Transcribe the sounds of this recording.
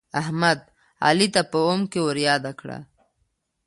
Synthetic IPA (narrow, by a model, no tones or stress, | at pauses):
aɦmad̪ | a̰lit̪apəomkewəɾjɑːd̪akɽa̰